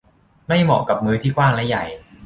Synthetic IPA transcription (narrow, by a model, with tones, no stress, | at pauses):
ma˥˩jmɔː˨˩ka˨˩p̚mɯː˦˥t̪ʰiː˥˩kwaː˥˩ŋlɛ˦˥ja˨˩j